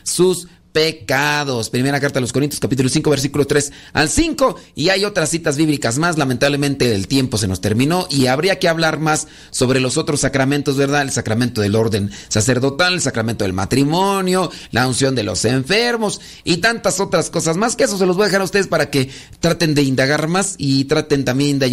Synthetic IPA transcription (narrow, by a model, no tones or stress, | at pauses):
sus | pe̞kaðo̞spɾime̞ɾakaɾt̪alo̞s̬ko̞ɾint̪joskapit̪ulo̞siŋko̞βeɾs̬ikulot̪ɾe̞sa̰lsiŋko̞iajo̞t̪ɾasːit̪azβiβlikazmaslamẽnt̪aβle̞mẽ̞nt̪e̞elt̪je̞mpo̞se̞no̞st̪e̞ɾmĩno̞ʔiaβɾiake̞aβlaɾmasː | o̞βɾe̞lo̞so̞t̪ɾosːakɾamẽ̞nt̪ozβe̞ɾðaðelsakɾamẽnt̪o̞ðe̞lo̞ɾðe̞nsase̞ɾðo̞t̪alelsakɾamẽnt̪o̞ðelma̰t̪ɾimonjo̞lʔaunsjo̞nd̪e̞lo̞̰se̞ɱfe̞ɾmo̞s | it̪ant̪aso̞t̪ɾasko̞sazmaskees̬os̬e̞lozβaðxaɾaust̪e̞ðespaɾake̞ | t̪ɾat̪end̪e̞ind̪aɣaɾmasit̪ɾat̪e̞nt̪ambjend̪ea